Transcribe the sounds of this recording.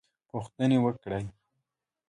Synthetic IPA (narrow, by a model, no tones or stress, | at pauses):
puxt̪ənewəkɽaj